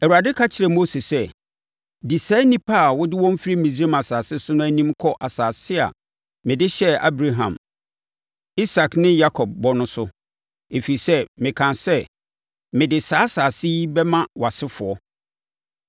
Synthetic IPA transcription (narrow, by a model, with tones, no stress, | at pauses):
ɛ˨u˨a˨dɪ˦kʰa˦t͡ɕʰɪ˨ɾɛ˨mo˦se˨sɛ˦ | di˨sa˦nĩ˦pʰa˦˨wʊ˦dɪ˦wɔ̃˦m˦fi˦ɾi˦mĩ˨zi˦ɾe˦mã˨saː˨sɪ˦sʊ˦nʊ̃˦æ˦nĩ˦mkʰɔ˦ʔa˨saː˨sɪ˦a̰˨ | mɪ̃˨dɪ˦ɕɛ˦a̰˦bɾa˨ɦã̰˨m | i˦sa˨knɪ̃˦ja˦kʰɔ˨b̚bɔ˦nʊ̃˦sʊ˦ | e˨fi˨i˨sɛ˦mɪ̃˨kʰã˨nsɛ˦ | mɪ̃˨dɪ˨saː˨˦saː˨sɪ˦bɛ˦mã˦wa˨sɪ˦fʊ˨ɔ˦